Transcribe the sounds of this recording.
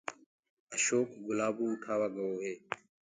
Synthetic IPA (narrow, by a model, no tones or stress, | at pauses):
əʃoːkɡʊlaːbũːʊʈʰaːʋaːɡəoːɦeː